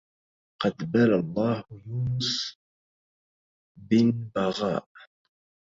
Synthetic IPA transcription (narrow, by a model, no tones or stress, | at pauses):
qɑd̪balalˤːɑːhjuːnʊs | bɪnbɑɣɑ̰ːʔ